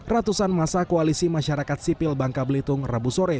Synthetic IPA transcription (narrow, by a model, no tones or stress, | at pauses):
rat̪usanmasakoalisimaʃaɾakat̪̚sipɪlbaŋkabəlit̪ʊŋrabusoɾɛ